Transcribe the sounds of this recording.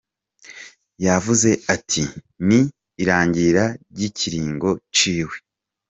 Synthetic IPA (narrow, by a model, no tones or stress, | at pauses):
javuze̞atʰi | niː | ɾaːɲɟiɾaɾɟiciɾiːŋɡo̞t͡ʃiːwe̞